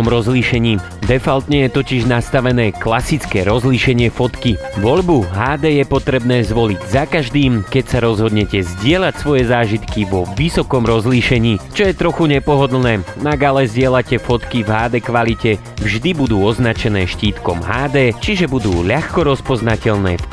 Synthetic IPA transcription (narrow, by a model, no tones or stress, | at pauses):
mɾɔzliːʃɛɲiː | d̪ɛfalt̪ɲɛjɛt̪ɔciʒnast̪aʋɛnɛːklasit͡skɛːɾɔzliʃɛɲɪɛfɔt̪kiʋɔʎbuɦaːd̪ɛːjɛpɔt̪ɾɛbnɛːzʋɔliɟzakaʒd̪iːmkɛcsaɾɔzɦɔd̪ɲɛcɛzɟɪɛlacsʋɔjɛzaːʒit̪kiʋɔʋisɔkɔmɾɔzliːʃɛɲiːt͡ʃɔjɛt̪ɾɔxuɲɛpɔɦɔd̪l̩nɛːnaɡalɛzɟɪɛlacɛfɔt̪kivɦaːd̪ɛːkʋalicɛ | vʒd̪ibud̪uːɔznat͡ʃɛnɛːʃciːt̪kɔmɦaːd̪ɛːt͡ʃiʒɛbud̪uːʎaxkɔɾɔspɔznacɛʎnɛ̰ː